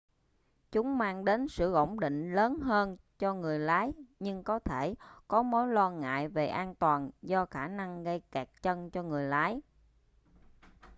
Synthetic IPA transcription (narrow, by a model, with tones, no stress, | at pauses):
t͡ɕʊ˨˦ŋ͡mmaː˧ŋɗe˨˦nsɨ̰˧˨ʔo̰˧˩wŋ͡mɗḭ˧˨ŋ̟ləː˨˦nɦəː˧n | t͡ɕɔ˧ŋɨ˨˩əjlaː˨˦jɲɨ˧ŋkɔ˨˦t̪ʰe˧˩kɔ˨˦mo˨˦jlwaː˧ŋa̰ː˧˨jve˨˩ʔaː˧nt̪waː˨˩nzɔ˧xaː˧˩na˧ŋɣə˧jkaː˨˩k̚t͡ɕə˧nt͡ɕɔ˧ŋɨ˨˩əjlaː˨˦j